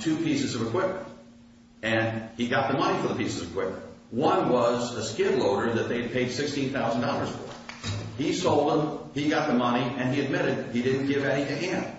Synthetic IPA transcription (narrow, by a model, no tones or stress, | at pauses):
tʰʉpʰisɨzʌvɨkʰw̥ɪp̚mɨ̃nt̚ | ɨ̃niɡɑt̪̚ðəmʌɾ̃ifə˞ðəpisɨzʌvɨkw̥ɪp̚mə̃ntwʌ̃nwʌzəskɪbloʊɾə˞ðɨt̪̚ðeɪɨd̚pʰeɪd̥sɪkstĩnθaʊzn̩dɑlˠə˞z̥fə | isoʊlˠd̪̚ə̃miɡɑt̪̚ðəmʌniɨ̃niɨd̚mɪɾɨd̚idɪdⁿn̩ɡ̥ɪvɨɾitɨɦæ̃n